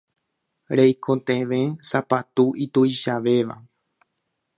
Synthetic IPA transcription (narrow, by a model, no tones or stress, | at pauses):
ɾejkʰõt̪ẽʋẽsapat̪uʔit̪uiʃaʋe̞ʋa̰